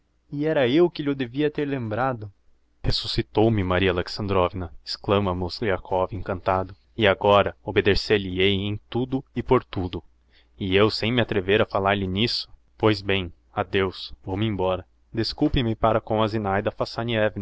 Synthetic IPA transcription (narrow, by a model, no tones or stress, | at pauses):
ɪɛɾɐewkɪʎʊd̪eviɐt̪eɾlẽmbɾad̪ʊ | hesu̥sit̪owmɪmaɾiɐaleksɐ̃nd̪ɾɔvinɐɪ̥sklɐ̃mɐmʊsiakʰɔvẽŋkɐ̃nt̪ad̪ʊ | ɪaɡɔɾɐobed̪eselɪejẽj̃t̪ud̪ʊɪpoɾt̪ud̪ʊ | ɪewsẽj̃mɪat̪ɾeveɾafalaɾlɪnisʊ̥ | pojzbẽj̃ | ad̪ewsvowmɪẽbɔɾɐ | d̪eskuwpɪ̃mɪpaɾɐkõazinajd̪ɐfasɐniɛvnɐ